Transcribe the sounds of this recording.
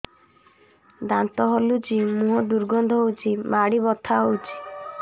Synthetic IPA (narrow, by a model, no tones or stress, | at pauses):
d̪ant̪ɔɦɔlud͡ʒimuɦɔd̪uɾɡɔnd̪ʱɔut͡ʃimaɽibɔt̪ʰaut͡ʃi